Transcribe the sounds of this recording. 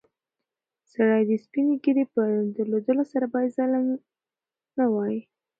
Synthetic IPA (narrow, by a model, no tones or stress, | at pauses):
saɽajd̪əspineɡiɾepəd̪əlod̪əlosaɾabɑjad̪zalan | nawɑji